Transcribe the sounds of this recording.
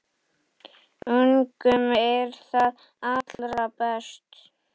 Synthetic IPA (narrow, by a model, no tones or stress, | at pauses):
ʏŋkʏmɛɾθað | at̪lɾapɛst̪